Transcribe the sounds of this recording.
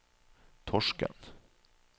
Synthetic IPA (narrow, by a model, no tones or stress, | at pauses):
t̪ʰɔʂkə̰n